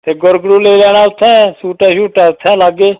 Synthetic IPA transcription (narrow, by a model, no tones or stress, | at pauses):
t̪eːɡʊɾɡɾũːleːlɛːɽaːʊt̪ʰɛ̃ːsuːʈɛːʃuːʈɛːʊt̪ʰːɛ̃ːlaːɡeː